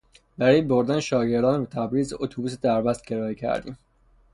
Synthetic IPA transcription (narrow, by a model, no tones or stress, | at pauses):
bæɾɒːjebo̞ɾd̪æneʃɒːɟe̞ɾd̪ɒːnebet̪ʰæbɾiːzot̪ʰobuːs̬ed̪æɾbæst̪̚ɟeɾɒːecʰæ̰ɾd̪ḭːm